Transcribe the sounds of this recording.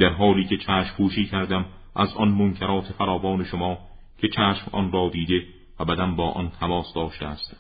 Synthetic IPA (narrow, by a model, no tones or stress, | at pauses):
d̪̥æɾɦɒːliːcʰe̞t͡ʃʰæːʃmpuːʃiːcʰæɾd̪æm | ʔæzʔɒnmoŋcʰeɾɒːt̪ʰe̞fæɾɒːvɒːne̞ʃomɒː | cʰe̞t͡ʃʰæːʃmɒ̰nrɒːd̪iːd̪e | væbæd̪æmbɒːʔɒ̰nt̪ʰæmɒːsd̪ɒːʃt̪eæst̪